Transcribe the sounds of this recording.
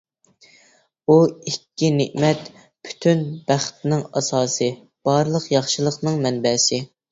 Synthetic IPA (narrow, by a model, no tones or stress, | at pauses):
uikʲːinɪʔmɛt̪ | pʰy̥t̪ʰynbæχt̪ɪnɪŋɑ̰sɑːsɨ | b̥ɑɾlˠəqjɑχʃɨlˠəqnɨŋmɛnbɛsɪ